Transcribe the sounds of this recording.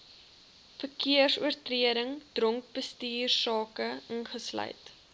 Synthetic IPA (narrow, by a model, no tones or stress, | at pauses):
fərkiərsuərtriəɾəŋd̥rɔŋk̚bəstiːrsɑːkəənχəslœ̰jt